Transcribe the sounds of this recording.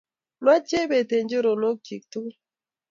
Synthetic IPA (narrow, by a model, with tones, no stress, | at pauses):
ma˦t͡ʃe˦be˨te˨ɲd͡ʒe˦ɾo˨no˦k̚t͡ʃi˨k̚tu˦